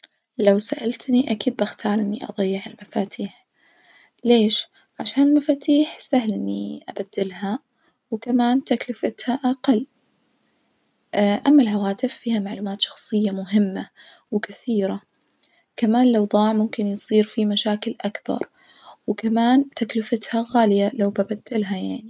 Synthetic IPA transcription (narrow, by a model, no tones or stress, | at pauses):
lawsaʔalt̪niʔakiːd̪̚baxt̪ʰɑːɾˤʔɪnːḭʔɑ̰d̪ˤɑjːɪʕɪlmafaːt̪ʰiːħ | leːʃ | ʕaʃaːnɪlmafaːt̪iːħsahlʔɪnːiʔabad̪ːɪlɦa | wkamaːnt̪aklɪfɪt̪haʔaqɑlː | ʔamːalɦawaːt̪ɪfːiːhamaʕluːmaːt̪ʃɑ̥xsˤɨjːamʊɦɪmːawɪkɪθiːɾa | kamaːnlawðˤɑːʕmʊmkɪnjsˤiːɾfimaʃaːkɪlʔakbɑ̰ɾˤ | wɪkamaːnt̪aklɪfɪt̪haɣaːlɪjalawbabad̪̥ːɪlɦajaʕni